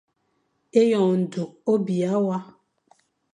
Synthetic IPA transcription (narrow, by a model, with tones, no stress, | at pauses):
e˦jɔ˨n̩˨du˨o˦bi˨a˨˦wa˦